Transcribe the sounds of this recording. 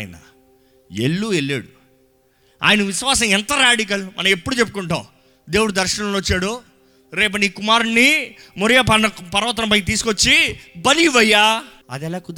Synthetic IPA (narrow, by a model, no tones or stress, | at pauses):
jnɐ̰ | ḛɭːuːelːḛːɽu | a̰ːjɐnɐʋiʃʋaːs̬ɐ̃mɛnt̪ɐɾaːɖik̬ɐlmʔɐ̰nɐme̞pːuɽut͡ʃe̞pːukuɳʈa̰ːw | d̪eːwuɽud̪ɐɾʃɐnɐ̃mloot͡ʃːaːɽu | ɾeːp̬ɐniːkumaːɾunːimoɾɐjapɐɐpɐɾɐʋɐt̪ɐɾɐmpɐjt̪̬iːsu̥kot͡ʃːibɐliʋɐjːaː | ɐ̰d̪ɛlaːkud̪